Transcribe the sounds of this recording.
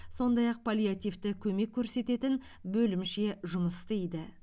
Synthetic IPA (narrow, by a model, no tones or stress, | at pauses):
so̞nd̪ɑjɑq̚pʰalʲjat̪ijft̪ɪkʲʰɵme̞kʲʰːɵɾse̞t̪e̞t̪ɪnbɵlɪmʃe̞ʒʊməst̪ejd̪ɪ